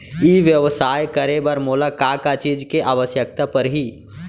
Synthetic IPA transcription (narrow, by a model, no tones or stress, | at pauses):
iʋjəʋsaːjkəɾebəɾmolakakat͡ʃiːd͡ʒkeʔaːʋəsjək̚t̪apəɾɦi